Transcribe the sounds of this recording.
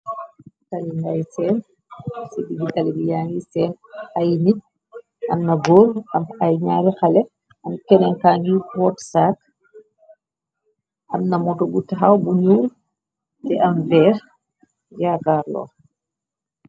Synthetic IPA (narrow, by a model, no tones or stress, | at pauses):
tɐliŋɡajsɛːn | sɛdiɡitalibijaŋɡisɛːnajni | ʔɐmnɐɡɔlɐmɐjɲaːɾixɐlɛ | ɐmkɛnɛŋkaːnikwɔtsak | ʔɐmnɐmɔtɔbutaɦawbuɲuːl | tɛʔɐmvɛːɾ | jakaːrlɔ̰ː